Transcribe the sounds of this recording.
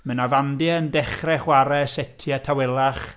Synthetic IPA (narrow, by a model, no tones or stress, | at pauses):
mənavandiəndɛχrɛχwaɾɛsɛtʰiatʰawɛlˠaχ